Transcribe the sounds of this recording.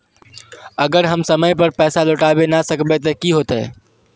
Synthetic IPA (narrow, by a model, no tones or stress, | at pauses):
əɡəɾɦəmsəməjpəɾpɛsaloʈabenasəkbɛt̪əkiɦot̪ɛ